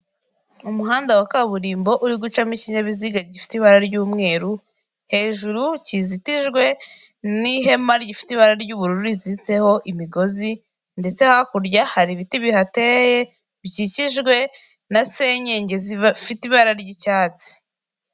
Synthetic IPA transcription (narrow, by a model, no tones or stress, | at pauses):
umuɦaːndawakaβuɾiːmbo̞ʔuɾiɡut͡ʃamiciɲaβiziɡaɾɟifi̥tiβaɾaɾɟuːmŋe̞ːɾu | he̞ːʒuɾucizitiʒɡwe̞ | niɦe̞maɾɟifi̥tiβaɾaɾɟuβuɾuɾuɾizit͡se̞ho̞ʔimiɡo̞zi | nde̞t͡se̞hoakuɾɟahaɾiβitiβihateje | βɟiciʒɡwe̞ | nase̞ɲeːɲɟe̞zfitiβaɾaɾɟicaːt͡si̥